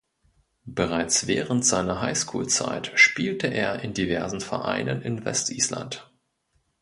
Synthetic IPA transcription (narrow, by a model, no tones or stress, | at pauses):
b̥əʁ̞aɪt͡sv̥ɛːʁəntz̥aɪnɐɦaɪskʰuːlt͡sa̰ɪtʃpiːltəʔeːɐʔɪndivɛɐzn̩fɛɐʔa̰ɪnənɪnvɛ̰stʔiːsla̰nt